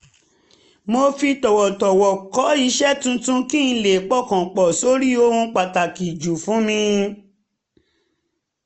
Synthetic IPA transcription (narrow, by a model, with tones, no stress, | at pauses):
mo˧fi˧tɔ˨wɔ˨tɔ˨wɔ˨kɔ˨˦i˧˦ʃɛ˦tũ˧tũ˦kĩ˦˧le˨k͡pɔ˦˨kã˨k͡pɔ˨so˨˦ɾi˦o˧hũ˧k͡pa˨ta˨ki˨d͡ʒu˨fũ˨˦mĩ˧